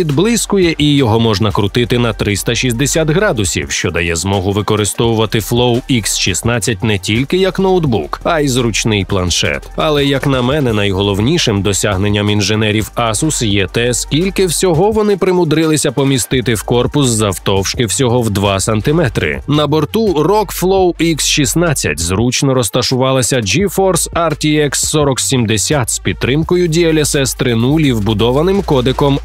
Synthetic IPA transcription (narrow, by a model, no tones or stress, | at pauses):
pʲid̪blˠɪskʊjɛʔijɔɦɔmɔʒnɐkɾʊt̪ɪt̪ɪnɐt̪ɾɪst̪ɐʃʲisʲd̪esʲat̪ɦɾɑd̪ʊsʲḭwʃt͡ʃɔd̪ɐjɛzmɔɦʊʋɪkɔɾɪst̪ɔʋʊʋɐt̪ɪflˠɔwiksʃisnɑt͡sʲːɐtʲnɛtʲilʲkɪjɐknɔwd̪bukɐjzɾʊt͡ʃnɪjplˠɐnʃɛ̰t̪ɐlˠɛjɐknɐmɛnɛnɐjɦɔlˠɔwnʲiʃɪmd̪ɔsʲaɦnenʲːɐminʒenɛɾʲiwɑsʊsjɛt̪ɛskʲilʲkɪwsʲɔɦɔʋɔnɪpɾɪmʊd̪ɾɪlˠɪsʲɐpɔmʲist̪ɪt̪ɪwkɔrpʊs̬zɐwt̪ɔwʃkɪwsʲɔɦɔwd̪ʋɑsɐnt̪ɪmɛt̪ɾɪ̰nɐbɔrt̪urɔkflˠɔwiksʃisnat͡sʲːɐ̰tʲzɾut͡ʃnɔɾɔst̪ɐʃʊʋɑlˠɐsʲɐd͡ʒifɔrsɐrtʲiɛksːɔɾɔksʲimd̪esʲat̪spʲid̪̚ɾɪmkɔjʊdʲijɐlʲɐsɛst̪ɾɪnulʲiwbʊd̪ɔʋɐnɪmkɔd̪ekɔm